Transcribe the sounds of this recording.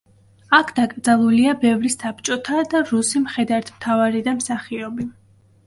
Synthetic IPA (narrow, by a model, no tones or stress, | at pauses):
akʰd̪̥akʼɾd̪zalˠuliabɛvɾisap̚ʰt͡ʃʼɔt̪ʰad̪aɾusimχɛd̪aɾt̪ʰmt̪ʰavaɾid̪amsaχiɔbi